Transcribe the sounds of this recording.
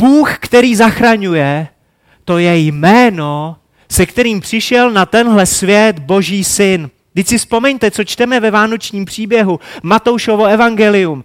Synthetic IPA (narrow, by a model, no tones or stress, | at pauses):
b̥uːxkt̪ɛɾiːzaxɾaɲujɛ | t̪o̞jɛjmɛːno̞ | sɛkt̪ɛɾiːmpr̝̥ɪʃɛlnat̪ɛnɦlɛsvjɛt̪bo̞ʒiːsɪn | ɡdɪcsɪfspo̞mɛɲt̪ɛt͡so̞t͡ʃt̪ɛmɛvɛvaːno̞t͡ʃɲiːmpr̝̥iːbjɛɦumat̪owʃovo̞ɛvaŋɡɛlɪum